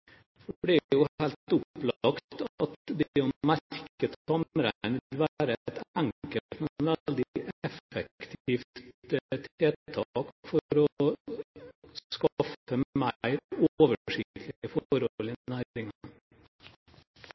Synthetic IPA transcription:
d̪ɛblɪjʊhæːlt̪ʊplɑɑkt̪t̪ɑt̪d̪ɛɔmæɾɾkət̪sɔmɾænəɪlʋæːɾət̪æŋkəlt̪mɛnʋæld̪ɪʔɛfəkkt̪ʰiːft̪t̪ʰeːt̪ʰɑːkfɔɾɔ | sskɑfəmæɪoːʋəʂɪkt̪lɪəfɔɾɔlɪnæɪŋn

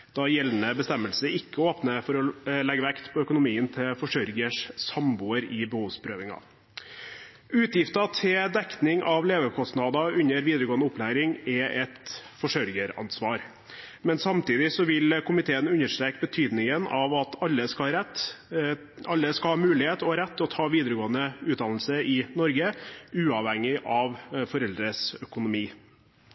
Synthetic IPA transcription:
d̪̥ɑjɛlːnəbəst̪ɛmːəlsəɪkːəoːpnəfɔɾɔlɛɡəʋækt̪pʰɔœkʊnʊmiːənt̪ʰɪlfɔʂœɾɡəʂsɑmbuːəɾɪbəhuːʋspʰɾøːʋɪŋɑ̰ | ʉːt̪jɪft̪ɑt̪ʰɪd̪ɛk̪nɪŋʔɑʋleːʋəkʰɔst̪nɑd̪ɑʉɲːəɾʋiːd̪əɾəɡoːənʊplæːɾɪŋɛʔɛt̪fɔʂœɾɡəɾɑ̰nsʋɑːɾ | mɛnsɑmt̪iːd̪ɪsɔʋɪlkʰʊmɪt̪ʰeːənʉɲːəʂʈ̪ɾeːkbət̪ʰyːd̪nɪŋənɑʋɑt̪ɑlːəskɑɾɛt̪ː | ɑlːəskɑhɑːmʉːlɪheːt̪ɔɾɛt̪ːɔt̪ʰɑːʋiːd̪əɾəɡoːənəʉːd̪ɑnl̩səɾɪnɔɾɡəʉːɑʋhɛŋɪʔɑʋfɔɾɛld̪ɾəsœkʊnʊmiː

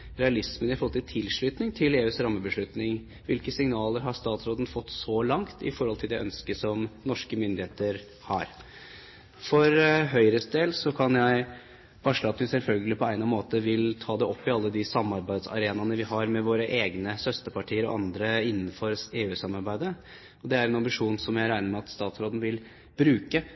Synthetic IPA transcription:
ɾɛɑlɪsmənɪɑfɔlt̪t̪ɪt̪ʰɪlʂɭyːt̪nɪŋt̪ʰɪleːʉːsɾɑmːəbəʂɭʉt̪nɪŋ | ʋɪlkəsɪŋnɑːləɾɦɑʂt̪ɑːt̪sɾoːd̪ən̩fɔt̪ːsɔlɑŋt̪ɪ̰fɔɾhɔlt̪ʰɪld̪ɛʔœ̰nskəsɔmnɔʂkəmʏnd̪ɪeːt̪əɾ | hɑ̰ɾ | fɔɾɦœʏɾəsd̪eːlsɔkʰɑnjæɪ | ʋɑʂəɑt̪ʋɪsɛlfœlɡəlɪpʰɔæɪnɑmoːt̪əʋɪlt̪ʰɑːd̪ɛʔɔpːɪɑlːəd̪ɪsɑmːɑɾbæɪd̪sɑ̰ɾeːnɑnəʋɪɦɑɾmɛʋoːɾəʔeːɡnəsœst̪əpɑʈʰiːəɾɔ̰ɑnd̪ɾəɪnːənfɔɾeːʉːsɑmːɑɾbæɪd̪ə | ɔd̪ɛæɾɛnɑmbɪʂuːnsɔmjæɪɾæɪnəɾmɛɑt̪st̪ɑːt̪sɾoːd̪n̩ʋɪl | b̥ɾʉːkə

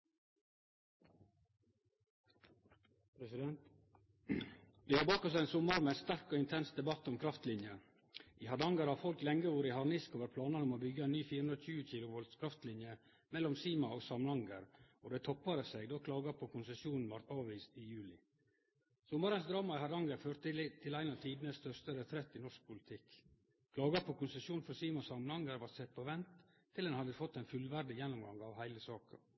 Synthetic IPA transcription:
pɾɛsɪd̪ɛnt̪ | ʋ̪ɪːhɑɾbɑːkɔs̬æɪnsʊmːɑɾmɛɛnst̪æɾkoːɪnt̪ʰɛnsd̪ɛbɑt̪ːɔmkʰɾɑft̪lɪnjə | ʔiːhɑd̪ɑŋɡəɾhɑfɔlklɛŋɡəʋuɾəɦɑɾnɪskoːʋəɾpʰlɑːnɑnɔmoːbʏɡəɛnyːfiːɾhʉnɾc͡çʉːəçiːlʊʋɔld̪skʰɾɑft̪lɪnjə | mɛlːɔmsiːmɑoːɡsɑmnɑŋɡəɾɔd̪æt̪ʰɔpːɑɾəsɛɡd̪oːkʰlɑːɡɑpʰɔkʰʊnsɛsjuːnn̩ʋɑɾt̪ɑːʋʋiːst̪ɪjʉːlɪ | sɔmɑɾənsd̪ɾɑːmɑɪhɑɾɑŋɡəɾføːɾt̪t̪ʰɪlæɪnɑʋt̪ʰiːd̪n̩əst̪œɾst̪əɾət̪ʰɾɛt̪ːɪnɔʂk̚pʰʊlɪt̪ʰɪk | kʰlɑːɡɑpʰɔkʊnsɛsuːn̩fɔɾsiːmɑɔsɑmnhɑŋɡəɾʋɑɾt̪sɛt̪̚ːpʰɔʋɛnt̪ʰː | ɪld̪ɛnhɑd̪əfɔt̪ːæɪnfʉlʋæɾɖɪjɛnːʊmɡɑŋɑʋhæɪləsɑːkɑ̰

